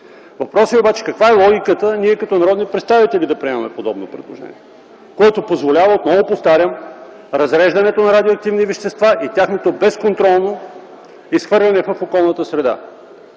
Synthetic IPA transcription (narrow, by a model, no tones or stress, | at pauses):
vɐpɾɔsiobat͡ʃɛ̥kɐkvaɛlˠɔɡʲikət̪əniɛkɐt̪ɔnɐɾɔd̪nipɾɛt̪st̪avit̪ɛlʲid̪ɐpɾiɛmɐmɛpod̪ɔbnopɾɛ̰d̪lˠo̰ʒɛ̰nʲiɛ | koɛt̪opozvolʲavəot̪nɔvopost̪aɾʲjəm | ɾɐzɾɛʒd̪ɐnɛt̪onɐɾad̪ʲioɐk̚t̪ivnivɛʃt̪ɛst̪vaʔit̪ʲjaxnot̪obɛskont̪ɾɔlˠno | isxvɤɾlʲɛnɛvɐfokɔlˠnət̪əsɾɛd̪a̰